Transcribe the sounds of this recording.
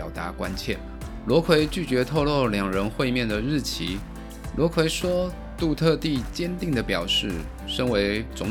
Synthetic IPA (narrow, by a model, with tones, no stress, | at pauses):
ʊt̪a˧˥kwa˦nt͡ɕʰjɛ˥˩n | lwɔ˧˥kʰwe˧˥ɪt͡ɕy˥˩t͡ɕɥɛ˧˥t̪ʰo˥˧ʊlwɔ˥˩ljɑ˨˩ŋɻə˧˦˥nxwe˥˧ɪmjɛ˥˨nd̪ə˩ɻɻ̩˥˩t͡ɕʰi˧˥ | lwɔ˧˥kʰwe˧˥ɪʂwɔ˥ | t̪u˥˧t̪ʰɤ˥˧t̪i˥˩t͡ɕjɛ˥nt̪i˥˩ŋd̪ə˩pjɑ˨˩ʊʂɻ̩˥˩ | ʂə˥ŋwe˧˥ɪt͡sʊ˧˥ŋ